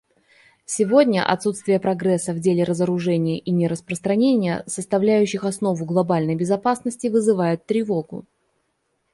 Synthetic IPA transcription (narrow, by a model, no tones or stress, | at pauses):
sʲɪvo̞dʲnʲə̰ʔɐ̰t̪sut̪st̪vʲɪjəpɾɐɡɾɛsːəvdʲelʲɪɾəzəɾʊʐɛnʲɪjəʔinʲɪɾəspɾəst̪ɾɐnʲenʲɪjə̰səst̪ɐvlʲæjʉɕːɪxɐsno̞vʊɡlˠɐbalʲnəjbʲɪzɐpasnəsʲtʲɪvɨzɨvajʊt̪ːɾʲɪvo̞ɡʊ̰